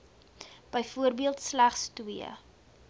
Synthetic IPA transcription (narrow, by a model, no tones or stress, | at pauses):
b̥əjfuərbiəlˠtslæχstwiə̰